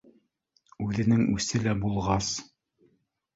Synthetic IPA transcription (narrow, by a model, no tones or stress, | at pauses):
ʉðɘ̆nɘŋʉ̰sɘlæbulˠʁɑs